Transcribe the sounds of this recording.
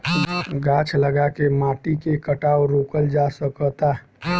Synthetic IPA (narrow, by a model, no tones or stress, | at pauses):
ɡat͡ʃʰləɡakemaʈikekəʈawɾokəld͡ʒasəkət̪a